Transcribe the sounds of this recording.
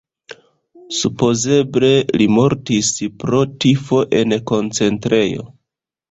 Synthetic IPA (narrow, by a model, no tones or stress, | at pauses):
supo̞ze̞ble̞limo̞ɾtispɾo̞tifo̞ʔe̞nko̞nt͡se̞ntɾe̞jo̞̰